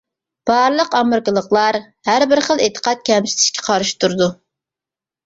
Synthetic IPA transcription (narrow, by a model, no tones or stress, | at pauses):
b̥ɑɾlˠəqɑmɨɾkəlˠəqlˠɑɾ | hæɾbɪɾχəlˠet̪ʰə̥qʰɑt̪̚kʲʰɛmsɪ̥t̪ʰɪ̥ʃkʲʰɛ̥qʰɑɾɨʃt̪ʰuɾɨd̪u